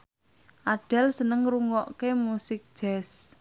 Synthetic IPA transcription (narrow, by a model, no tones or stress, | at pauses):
ʔaɖ̥ɛ̤lsənəŋruŋɔʔkemusɪk̚d̥ʒ̥ɛs